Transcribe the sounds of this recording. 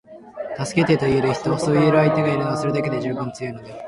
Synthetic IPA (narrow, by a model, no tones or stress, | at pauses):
t̪asɨ̥ke̞t̪et̪o̞ie̞ɾɯ̟çi̥t̪o̞so̞ːie̞ɾɯ̟ait̪e̞ɡaiɾɯnosɨɾɯ̟d̪ake̞d̪e̞ʑɨːbãnt͡sɨjɯːno̞d̪e